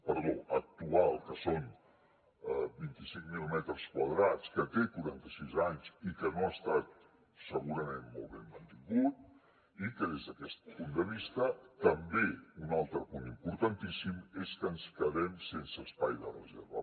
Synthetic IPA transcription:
pəɾðoək̚t̪ualˠkəson | bint̪isiŋmilimɛt̪ɾəskwaðɾat͡skət̪ekuɾant̪əsizaɲzikənoast̪at̪̚ | səɣuɾəmenmolˠβemmənt̪iŋɡut̪̚ | ikəðezðəkɛst̪̚pund̪əβ̞ist̪ət̪əmbeunalˠt̪ɾəpunimpuɾt̪ant̪isimeskəːnskəðɾɛmsensəːspajðərə̰zḛɾβə̰

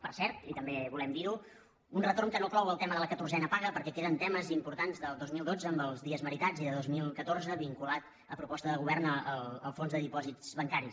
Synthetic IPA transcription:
pəɾsɛɾt̪it̪əmbeβulɛmd̪iɾu | unrət̪oɾmkənoklɔwəlˠt̪ɛməðələkət̪urzɛnəpaɣəpəɾkɛkeðənt̪ɛməzimpuɾt̪anzðəlˠd̪ozmilˠd̪od͡zəːmbəlˠzðiəzməɾit̪aziðəðozmilˠkət̪oɾzəβiŋkulat̪ | əpɾupɔst̪əðəɣ̞uβɛrnəələlˠfonzðəðipɔzid͡zzβəŋkaɾi

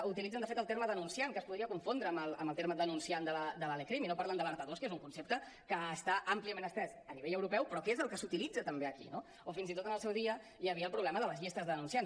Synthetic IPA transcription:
ut̪ilid͡zənd̪fet̪əlˠt̪eɾməðənunsiaŋkəspuðɾiəkuɱfond̪ɾəːməlˠə̰mbəlˠt̪eɾməðənunsiand̪ələd̪əlalekɾiminopaɾlənd̪ələɾt̪əðoskezuŋkunsep̚t̪ə | kəːst̪aʔampliəmẽnəst̪ɾɛzəniβeʎəwɾupɛwpɾɔkezəlˠkəsut̪ilid͡zət̪əmbeəkḭno | ofinzit̪ot̪ənəlˠsɛwðiə | jəβiəlˠpɾuβlɛməðələzʎist̪əzðəðənunsian

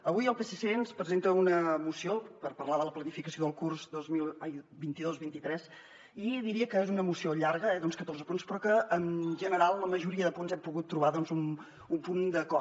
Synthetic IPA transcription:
əβujəlˠpesesenspɾəzent̪əunəmusiopəɾpərlaðələplənifikəsioðəlˠkurzd̪ozmilˠajbint̪iðozβint̪it̪ɾɛz | iðiɾiəkəezunəmusioʎaɾɣəɛðɔnskət̪orzəpunspɾɔkəːnʒənəɾalˠləməʒuɾiəðəpunzɛmpuɣut̪ːɾuβaðɔnzum | umpund̪əkɔ

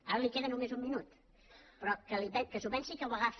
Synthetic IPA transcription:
aɾəlikeðənumezumminut̪ | pɾɔkəlipɛkəsuβɛnsikəwəɣaf

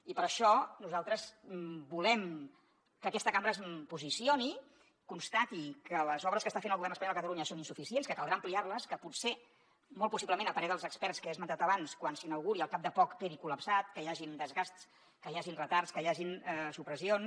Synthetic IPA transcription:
ipəɾəʃɔnuzalˠt̪ɾəzbulɛm | kəkɛst̪əkambɾəzpuzisioni | kunst̪at̪ikələzɔβɾəskəst̪afenəlˠɣuβɛrnəspɐɲɔlˠdəkət̪əluɲəsoninsufisienskəkəlˠd̪ɾaəmpliarləskəputse | mɔlˠpusipləmẽnəlˠpəɾɛðəlˠzəkspɛrtskəezmənt̪at̪əβanskwansinəwɣuɾiəlˠkap̚d̪əpɔkpeɾikuləpsat̪kəjaʒind̪əzɣast̪s | kəjaʒinrət̪aɾskəjaʒinsupɾəsion

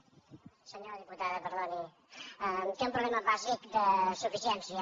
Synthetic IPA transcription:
səɲoɾəðiput̪aðəpəɾðoni | ək̪eũmpɾuβlɛməβazikd̪əsufisiɛnsiə

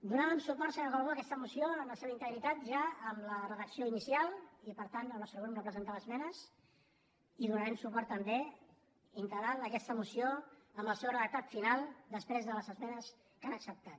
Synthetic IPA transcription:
d̪unaβəmsupɔɾsənəɣaloəkɛst̪əmusioəmləseβəint̪əɣɾit̪at̪ʒaəmlərəðəksioinisialˠipəɾt̪anəɔsɾβɛmrəpɾəzənt̪aəzmɛnəs | iðunəɾɛmsupɔɾt̪ːəmbe | int̪əɣɾaləkɛst̪əmusioəmbəlˠsewrəðək̚t̪at̪finalˠd̪əspɾezðələzəzmɛnəs | kanəksəp̚t̪at̪

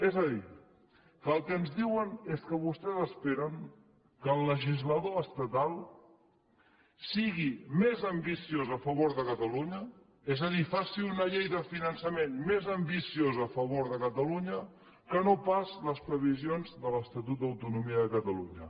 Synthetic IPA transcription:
ezəði | kəːlˠkəːnzðiwəneskəβust̪ɛzəspeɾəŋ | kəːlˠːəʒizləðoəst̪ət̪alˠ | siɣimezəmbisiozəfəβ̞oɾðəkət̪əluɲə | ezəðifasiunəʎejðəfinənsəmenmezəmbisiozəːfəβoɾðəkət̪əluɲə | kənopazləspɾəβ̞izionzðələst̪ət̪ut̪̚d̪əwt̪unumiəðəkət̪əluɲə

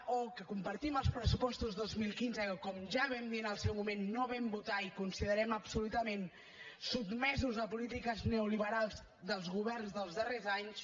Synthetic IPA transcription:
okəkumpəɾt̪iməlˠspɾəsupɔst̪uzðozmilˠkinzəəkɔmʒaβɛmd̪iənəlˠsɛwmumenːoβɛmbut̪aikunsiðəɾɛməpsulut̪əmen | sudmɛzuzðəpulit̪ikəzneuliβəɾalˠz | d̪əlˠzɣuβ̞ɛrnzðəlˠzðərezaɲs

